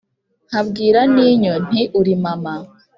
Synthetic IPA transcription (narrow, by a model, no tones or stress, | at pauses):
habɡiːɾaniːɲon̥iʔuɾimama